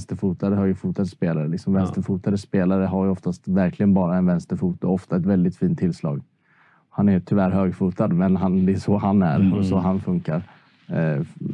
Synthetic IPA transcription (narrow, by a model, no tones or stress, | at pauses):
st̪əɾfuːt̪ad̪əhaɾjɵfuːt̪ad̪əspeːlaɾəlɪksɔmvɛnst̪əɾfuːt̪ad̪əspeːlaɾəɦaɾjɔft̪ast̪væɾklɪɡənbɑːɾaɛnvɛnst̪əɾfuːt̪ɔɔft̪aɛt̪vɛld̪ɪt̪fiːnt̪ʰːɪlslɑ̰ːɡ | ɔhanæjt̪ʰʏvæːɾɦøːɡfuːt̪ad̪mɛnɦand̪ɛsɔhanæɾɔsɔɦanfɵŋkaɾ